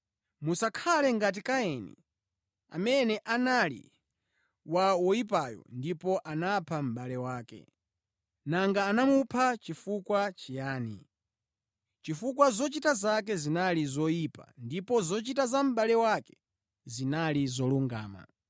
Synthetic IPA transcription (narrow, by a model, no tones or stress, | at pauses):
musakʰalɛŋɡat̬ikajɛnḭ | a̰mɛnɛʔanalḭ | wawɔjip̬ajɔ̰ndipɔʔanapʰam̩ɓalɛwaːkɛ̰ | naŋɡaːnamupʰat͡ʃifukwat͡ʃijaːnḭ | t͡ʃifukwazɔt͡ʃitazak̬ɛzinalizɔjipa̰ndipɔzɔt͡ʃitazam̩ɓalɛwakɛ̥ | zinalizɔluŋɡa̰ːma̰